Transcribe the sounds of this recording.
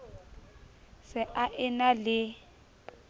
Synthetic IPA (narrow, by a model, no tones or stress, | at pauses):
sɪʔaʔɪnalɪ